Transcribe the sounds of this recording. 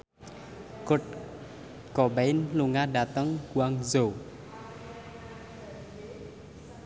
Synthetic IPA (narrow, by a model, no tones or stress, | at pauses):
kʊt̪̚ | kɔbɛjnluŋadat̪əŋɡwaŋzow